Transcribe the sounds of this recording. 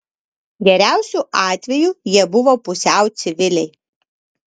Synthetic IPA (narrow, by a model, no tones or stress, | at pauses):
ɡʲɛɾʲæˑʊsʲuʔɑːt̪ʲʋʲɛjuːjiɛbʊʋoːpʊsʲæˑʊt̪sʲɪʋʲɪlʲɛɪ